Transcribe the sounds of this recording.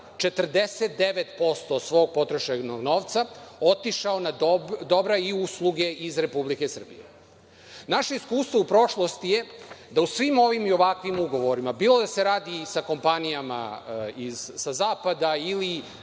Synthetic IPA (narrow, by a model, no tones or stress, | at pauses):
t͡ʃe̞t̪r̩d̪e̞set̪̚d̪e̞ʋet̪po̞st̪o̞sʋo̞ːɡ̚po̞t̪ɾoʃenoɡno̞ːʋt̪saot̪iʃaonad̪o̞bɾaiuslˠuɡe̞ʔizɾe̞publikesr̩bḭje | naʃe̞iskuːst̪ʋoupɾo̞ʃlˠo̞st̪ije̞d̪ausʋimo̞ʋimio̞ʋakʋimuɡo̞ʋo̞ɾimabiːlˠo̞d̪ase̞ɾaːd̪isako̞mpanijama̰izsazaːpad̪aili